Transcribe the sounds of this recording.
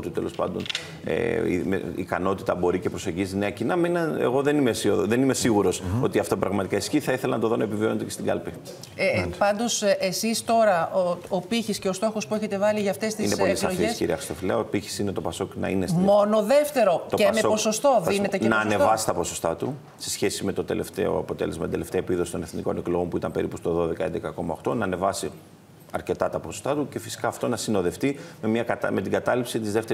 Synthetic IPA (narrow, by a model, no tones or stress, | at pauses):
t̪ut̪e̞lo̞̰spɐ̰nd̪o̞n | ḛmḛikɐno̞t̪i̥t̪ɐbo̞ɾice̞pɾo̞se̞ɲɟizine̞ɐcinɐmenɐḛɣo̞ðe̞nimesioðe̞nime̞siɣuɾo̞so̞t̪iɐft̪o̞pɾɐɣmɐt̪ikɐisçiθɐiθelɐnɐt̪oðo̞nɐepivio̞nt̪ecest̪iɡɐ̰lpi | pɐnd̪o̞sesist̪o̞ɾɐopiçisce̞o̞st̪o̞xo̞spueçe̞t̪e̞vɐliʝɐft̪e̞st̪iinepolisɐoʝfeskcḭɾḭɐxɾist̪o̞fileɐopiçi̥sinet̪o̞pɐso̞knɐ̰inesmo̞no̞ðe̞ft̪e̞ɾo̞t̪ocemsepo̞so̞st̪o̞ðinet̪enɐːne̞vɐsi̥t̪ɐpo̞sost̪ɐt̪u | sesçe̞sime̞t̪o̞t̪e̞left̪e̞̰o̞̰ɐ̰po̞t̪e̞̰lezmɐt̪d̪ele̞ft̪eɐepiðosi̥t̪one̞θniko̞ne̞klo̞ɣo̞mpuit̪ɐmpe̞ɾipust̪o̞ðo̞ðe̞kɐend̪ekɐko̞mɐoxt̪o̞nɐːne̞vɐsi | ɐɾce̞t̪ɐt̪ɐpo̞so̥st̪ɐt̪uce̞fi̥si̥kɐːft̪o̞nɐsino̞ðe̞ft̪ime̞mɲɐkɐt̪ɐme̞t̪iɡɐt̪ɐlipsit̪izðe̞ft̪e